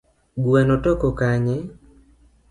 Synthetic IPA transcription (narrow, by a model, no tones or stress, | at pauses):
ɡwɛnotɔkɔkaɲe